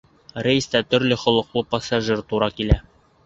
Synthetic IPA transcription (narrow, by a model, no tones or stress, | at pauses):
rejst̪æt̪ɵ̆ɾlɘχŏlˠɤ̆qlˠɤpɑsaʒɘɾt̪uɾɑkilæ